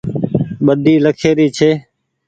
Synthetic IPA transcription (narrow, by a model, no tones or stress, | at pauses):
ɓəd̪ʱiːləkʰeːɾiːt͡ʃʰeː